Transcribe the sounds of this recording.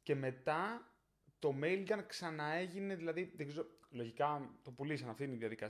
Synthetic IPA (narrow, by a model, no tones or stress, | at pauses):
ce̞me̞t̪ɐ | t̪o̞me̞jlɡ̪ɐnksɐnɐe̞ʝine̞ðilɐðiðeɡzeɾolo̞ʝikɐt̪o̞pulisɐnɐft̪iniðiɐðikɐ